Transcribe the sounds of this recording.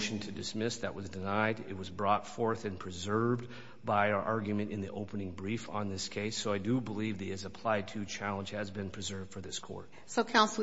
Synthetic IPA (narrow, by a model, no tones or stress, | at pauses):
ʃɨ̃n̩tʰɨdɨsmɪsðɨ̰ʔwʌzdɨnaɪɾɪ̰t̚wʌzbɹɔtfɔɹθɨ̃npʰɹ̥ɨzɜ˞v | baɪ˞ʔɑɹɡjɨmɨ̃ñtɨ̃nðiʔoʊpənɪ̃ŋbɹifn̩ðɪskʰeɪsoʊaɪdɨbəlivðiɨzəpʰl̥aɪd̚tʰɨt͡ʃʰælˠə̃nd͡ʒ̥ɨzbɨ̃npʰɹ̥ɨzɜ˞vd̥fə˞ðɪskʰɔ̰ɹt̚ | soʊkʰãʊ̃nsl̩ˠ